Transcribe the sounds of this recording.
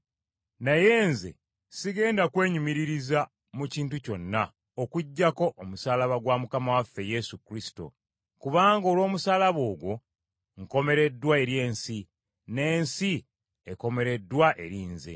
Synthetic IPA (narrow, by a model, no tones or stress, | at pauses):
naje̞ːnze̞̰ | siɡe̞ːndakwe̞ːɲumiɾiɾiza | muciːntuco̞nːa | okuɟːako̞ʔomusaːlaβaɡwamukamawafːe̞je̞sukɾisi̥to̞̰ | kuβaːŋɡoːlwo̞ːmusaːlaβo̞ːɡwo̞ | ŋko̞me̞ɾe̞dːwae̞ɾje̞ːnsi | ne̞ːnsi | e̞ko̞me̞ɾe̞dːwaʔe̞ɾiːnzḛ